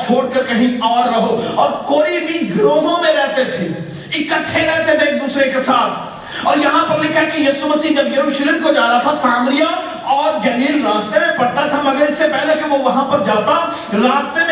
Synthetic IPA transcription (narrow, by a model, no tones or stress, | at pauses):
t͡ʃʰoːɽkɐɾkɐɦĩɔːɾːɐɦoɔːɾkoːibʱiɡɾoːɦõmẽɾɛɦt̪et̪ʰeː | ɪkəʈʰːeɾɛɦt̪et̪ʰeeːk̚d̪uːsɾekesaːt̪ʰ | ɔːɾjɐɦãpɐɾlɪkʰaɦɛkijiːsuməsiːɦd͡ʒɐbjɐɾuːʃleːmkod͡ʒaːɾaat̪ʰasaːmɾɪja | ɔːɾd͡ʒɐliːlɾaːst̪emẽpɐɽt̪at̪ʰamɐɡəɾɪsːepɛɦlekiʋoʋɐɦãpɐɾd͡ʒaːt̪a | ɾaːst̪em